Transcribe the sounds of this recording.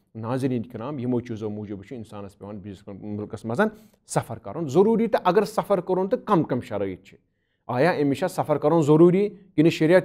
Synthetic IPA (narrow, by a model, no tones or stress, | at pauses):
naːziɾiːnkʲiɾaːmjimoːt͡ʃʰuzoːmuːd͡ʒubɐt͡ʃʰuinsaːnɐspʲeʋɐːnbizskmulkɐsmɐzɐn | sɐfɐɾkɐ̰ɾoːnzɐɾuːɾiːt̪ɐʔɐɡɐɾsɐfɐɾkɐɾoːnt̪ɨkɐmkɐmʃɐɾɐḭt̪̚t͡ʃʰi̥ | aːjaːemiʃasɐfɐɾkɐɾoːnzɐɾuːɾiːkinɨʃɐɾija